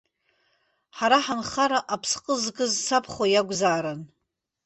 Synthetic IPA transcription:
ħaɾaħanχaɾaʔapʰsqʼəzkʼɨzsapʰχwajaɡʷzaːɾan

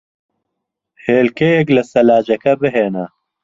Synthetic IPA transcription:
heːlkejeklɐsɐlaːd͡ʒɐkɐbɪɦeːnɐ

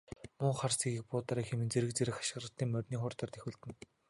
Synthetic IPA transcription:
mʊɴχarsiːɡiːk̚pʊːt̪aːɾiːxemɘ̆nt͡seɾɘ̆k̚t͡seɾɘ̆xḁʃɪ̆rə̆t̪ːiːŋmœrʲniːŋχʊrt̪ə̆rt̪exʲŭːɮt̪ɘ̆n

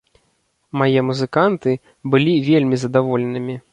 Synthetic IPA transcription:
majɛmuzɨkant̪ɨ | bɨlʲivʲelʲmʲizɐd̪avɔlʲɛnɨmʲi

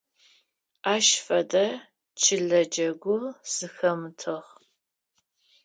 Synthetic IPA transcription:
aːʃfɐdɐ | t͡ʃʰɪɮɐd͡ʒɐɡʷʊz̥ɨxɐmɨtʰɨʁ

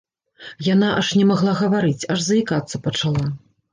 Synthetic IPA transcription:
jan̪aʔaʂnʲɛmaɣlˠaɣɐvaɾɨt͡sʲaʐzɐikat̪sːɐpɐt͡ʂalˠa

